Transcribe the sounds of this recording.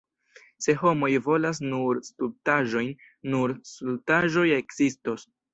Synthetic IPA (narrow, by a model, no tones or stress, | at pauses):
se̞ɦo̞mo̞jvo̞las̬nuɾstultaʒo̞jnː | uɾsultaʒo̞je̞kz̥istos